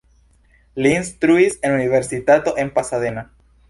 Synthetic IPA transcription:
linst̪ɾuisenuniβeɾsit̪at̪oʔempasaðena

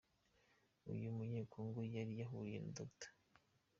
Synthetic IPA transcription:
ṵjumuɲeːkʰoŋɡujaɾijaɦuɾjḛndotḁ

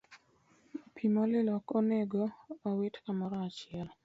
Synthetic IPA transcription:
pʰimɔlɪlɔkoneɡoawɪtkamɔɾɔat͡ʃɪɛl

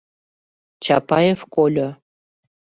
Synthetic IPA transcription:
t͡ɕɑ̰pɑjefkolʲo

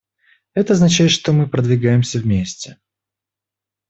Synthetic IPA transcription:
ɛt̪əɐznɐt͡ɕæjɪt̪ʂt̪omɨpɾəd̪vʲɪɡajɪmsʲəvmʲesʲtʲɪ

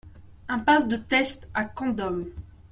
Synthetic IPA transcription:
ɛ̃pasd̪ət̪ɛst̪akɑ̃d̪ɔm

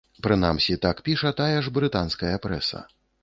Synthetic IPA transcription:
pɾɨna̰msʲit̪akpʲiʂɐt̪ajɐʐbɾɨt̪anskɐjɐpɾɛ̰sɐ̰

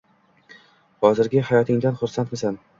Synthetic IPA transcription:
hɒzɪɾɡʲɪhajɒt̪ʰɪŋd̪anχʊɾsant̪mɪsan

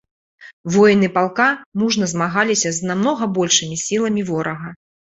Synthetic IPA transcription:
vɔjnɨpalˠkamuʐnɐzmaɣalʲisʲɐznamnɔɣɐbɔlʲʂɨmʲisʲilˠɐmʲivɔɾɐɣɐ

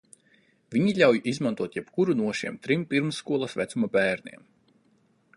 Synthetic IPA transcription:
vʲiɲiʎʲawjʔizmant̪uɔt̪jɛpkuɾunuɔʃḭɛmt̪ɾimpiɾmsːkuɔlˠɐsvæt̪sumabɛːɾnḭɛm

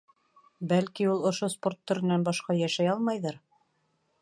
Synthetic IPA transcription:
bælkiulˠŏʃospo̞rt̪ːɵ̆ɾɘ̆nænbɑʃqɑjæʃæjɑlˠmɑjðɤɾ

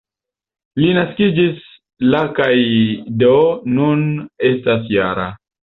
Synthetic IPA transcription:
linaskid͡ʒis | lakajdoːune̞stas̬jaɾa̰

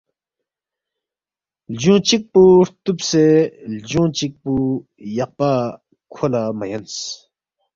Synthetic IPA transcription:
ld͡ʑoŋt͡ɕək̚poht̪up̚sed͡ʑoŋt͡ɕək̚pojaχpa | kʰolaməjəns

